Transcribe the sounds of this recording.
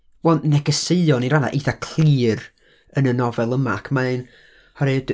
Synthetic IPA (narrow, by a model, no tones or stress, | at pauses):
wɛlnnɛɡəseɨɔniɾana̰ʔiθakʰl̥iːr | ənənɔvɛlˠəmakʰmaɨn | hɔɾɨd